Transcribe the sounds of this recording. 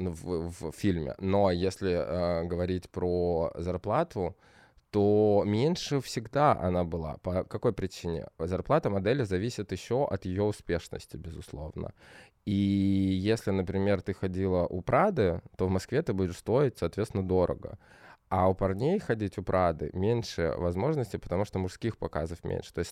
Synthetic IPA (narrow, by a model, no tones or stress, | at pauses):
nuvvfʲilʲmʲɪ̰nojesʲlʲɪəɡəvɐɾʲitʲpɾozɐrplˠat̪ʰʊ | t̪omʲenʲʂɨfsʲɪɡd̪aʔɐ̰nabɨlˠa̰pəkɐko̞jpɾʲɪt͡ɕinʲɪ̰zɐrplˠat̪əmɐd̪ɛlʲɪzɐvʲisʲɪt̪jɪɕːo̞ʔɐt̪jɪjo̞ʊspʲe̞ʂnə̰sʲtʲɪbʲɪzʊslˠo̞̰vnə̰ | ijesʲlʲɪnəpɾʲɪmʲe̞rt̪ɨxɐdʲilˠəʔʊpɾad̪ɨt̪o̞vmɐskvʲet̪ɨbudʲɪʂst̪o̞ɪtʲsɐːt̪vʲet̪ʲɪnəd̪o̞ɾʔə̰ɡə̰ | aʊpɐrnʲejxɐdʲitʲʊpɾʔad̪ɨ̰mʲenʲʂɨ̰vɐzmo̞ʐnəsʲtʲɪpə̥t̪ɐmuʂt̪omʊʂskʲixpɐkazəfmʲḛnʲʂɨ̥t̪o̞ɪstʲ